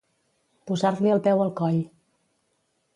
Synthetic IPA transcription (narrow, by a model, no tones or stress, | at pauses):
puzaɾliəlˠpɛwəlˠkɔʎ